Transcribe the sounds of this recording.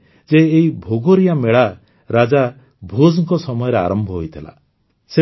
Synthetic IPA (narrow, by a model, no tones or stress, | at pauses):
d͡ʒeːibʱoɡoɾijameɭa | ɾad͡ʒa | bʱod͡ʒɔŋkɔsɔmɔjɔɾea̰ɾɔmbʱɔɦojt̪ʰila̰ | se